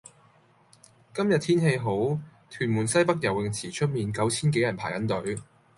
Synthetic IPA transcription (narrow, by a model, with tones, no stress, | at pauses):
kɐ˥mjɐ˨t̪̚ʰiː˥nɦe˧jɦo˨˥wt̪ʰyː˨˩nmuː˨˩nsɐ˥jpɐ˥k̚jɐ˨˩wɪ˨ŋt͡sʰiː˨˩t͡ʃʰɵ˥t̚miː˨˧nkɐ˨˥wt͡sʰiː˥nke˨˥jɐ˨˩npʰaː˨˩jkɐ˨˥nt̪ɵ˨˥ɥ